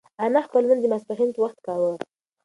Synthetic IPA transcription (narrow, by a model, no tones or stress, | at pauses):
anaxpəlmənd̪imaspaɦint̪əwaxt̪kɑwə